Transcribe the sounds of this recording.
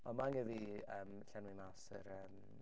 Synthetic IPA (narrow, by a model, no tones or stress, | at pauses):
ɔmaŋəðiəːmɬanwimasə̰ɾəːm